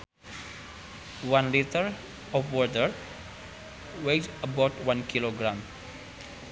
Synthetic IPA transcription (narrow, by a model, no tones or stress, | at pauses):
wãnlitəɾ | ɔfwɔɹtəɾ | wed͡ʒəbaʊtwãnkiloɡɾãm